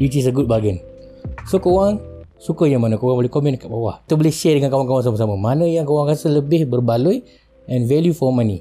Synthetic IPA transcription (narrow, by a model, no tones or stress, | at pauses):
itis̬əɡud̚baɡɛn | sokowaŋ | sukəjaŋmanə̃kowaŋbolɛhkomɛ̃nkat̚bawaht̪ubəlɪhʃɛdəŋankawaŋkawaŋs̬aməs̬aməmanə̃jaŋkowaŋkasələbɪhbərbaluj | ʔɛ̃nvɛljufɔmãni